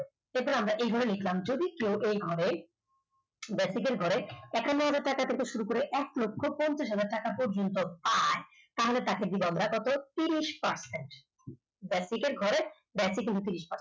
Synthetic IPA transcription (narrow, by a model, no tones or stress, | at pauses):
ebɔɾamɾaʔejɡʱɔɾelikʰlamd͡ʑod̪ikewʔejɡʱɔɾe | bɛsik̬eɾɡʱɔɾeɛkʰanːoɦad͡ʑaɾʈakat̪ʰeɾkeʃuɾukoɾeʔɛklokʰːopɔnt͡ɕaʃɦad͡ʑaɾ̚ʈakapɔɾd͡ʑont̪opae | t̪aɦolet̪aked̪ibɔnd̪ɾakɔt̪ot̪iɾiʃpaɾseɳʈ | bɛsikeɾɡʱɔɾe | bɛsik̬ːint̪̬ut̪iɾiʃpaɾse